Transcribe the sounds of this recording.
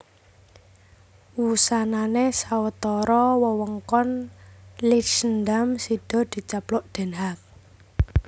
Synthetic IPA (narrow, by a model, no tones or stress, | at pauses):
wusananesawət̪ɔɾɔwəwəŋkɔn | lisənd̪amsid̪̥ɔ̤d̪̥i̤t͡ʃaplʊʔd̪̥ɛ̤nɦak̚